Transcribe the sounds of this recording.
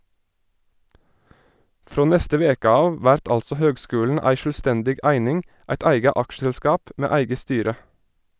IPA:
ˈfɾoː ˈnɛstə ˈʋeːkə ˈɑːʋ ˈʋæɾt ˈɑlsɔ ˈhøːɡˌskʉːln̩ ˈæɪ ʃɭ̩ˈstɛndɪɡ ˈæɪnɪŋ ˈæɪt ˈæɪɡə ˈɑkʃəlˌskɑːp ˈmeː ˈæɪɡə ˈstyːɾə

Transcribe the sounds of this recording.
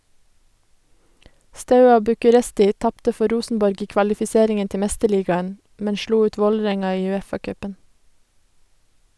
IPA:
ˈstɑʉɑ bʉkʉˈɾɛstɪ ˈtɑptə ˈfɔ ˈɾuːsn̩bɔɾɡ ˈiː kʋɑlɪfɪˈseːɾɪŋən ˈtɛ ˈmɛstəˌɭiːɡɑən ˈmɛn ˈʃluː ˈʉːt ˈʋoːləˌɾɛŋɑ ˈiː ʉˈeːfɑˌkœpən

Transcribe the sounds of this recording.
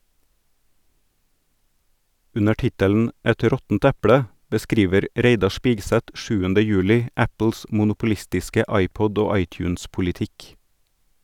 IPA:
ˈʉnə ˈʈɪtəln̩ ˈɛt ˈɾɔtn̩t ˈɛpɽə bəˈskɾiːʋəɾ ˈɾeɪdɑ ˈʃpiːɡˌsɛt ˈʃʉːəndə ˈjʉːlɪ ˈæpl̩s mʊnʊpʊˈlɪstɪskə ˈɑɪˌpɔd ˈoː ˈɑɪˌtjʉːnspʊlɪˌtɪk

